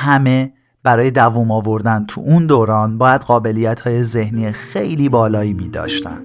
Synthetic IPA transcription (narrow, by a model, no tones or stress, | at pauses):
hæme | b̥æɾɒːje̞d̪ævuːmɒːvo̞ɾd̪ænt̪ʰṵʔund̪oːɾɒːnbɒːjæd̪ɣɒːbe̞liːjæt̪ʰhɒːjeze̞hniːexejliːbɒːlɒːiːmiːd̪ɒ̰ːʃt̪æ̰nd̪̥